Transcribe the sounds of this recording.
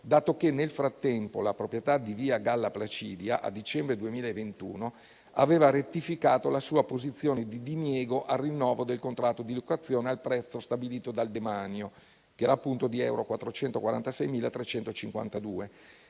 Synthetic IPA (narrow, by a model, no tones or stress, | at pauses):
d̪aːt̪okenːelfɾat̪ːɛmpolapɾopɾjet̪ad̪iviːaɡalːaplat͡ʃiːd̪jaʔa̰d̪it͡ʃɛmbɾed̪uemiːlaevent̪ṵːno | aveːvaɾet̪ːifikaːt̪olasuːapozit̪sːjoːned̪id̪injɛːɡoʔarːinːɔːvod̪elkont̪ɾat̪ːod̪ilokat̪sːjoːnealpɾɛt̪sːost̪abiliːt̪od̪ald̪emanjo | keɛːɾaːpːunt̪od̪iɛwɾokwat̪ːɾot͡ʃɛnt̪okwaɾa̰nt̪asɛjmiːlat̪ɾet͡ʃɛnt̪ot͡ʃiŋkwa̰nt̪ad̪uːe